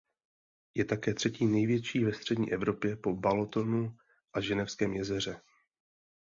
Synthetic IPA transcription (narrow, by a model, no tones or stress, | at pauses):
jɛt̪akɛːt̪r̥ɛciːnɛjvjɛt͡ʃiːvɛst̪r̝̥ɛdɲḭːʔɛvɾo̞pjɛpo̞balot̪o̞nu | ʔaʒɛnɛfskɛːmjɛzɛr̝ɛ